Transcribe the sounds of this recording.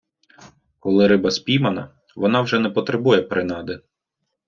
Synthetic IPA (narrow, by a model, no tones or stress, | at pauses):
kɔlˠɪɾɪbɐspʲijmɐnɐ̰ | ʋɔnɑwʒɛnɛpɔt̪ɾebujɛpɾɪnɑd̪ɪ